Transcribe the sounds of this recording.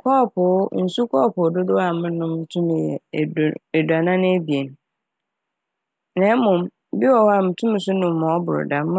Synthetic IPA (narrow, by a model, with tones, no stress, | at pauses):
kʰɔː˦˨pʊ˨˦n̩˨su˦kʰɔː˦˨pʊ˨dʊ˦dʊ˦a˨mʊ̃˦nʊ̃˦m̩˦tʰũ˦mɪ̃˨jɛ̰˨ɛ˨da˨nã˦nɪ̃˦e˦bi˨e˨n˦ | nɛ̃˨˦mʊ̃˨m | bɪ˦wɔ˨wa˨m̩˨tʰũ˦m̃˨sʊ˦nʊ̃˨mː˦˨ɔ̃˨ɔ˦bʊ˨ɾʊ̰˨da˨m˦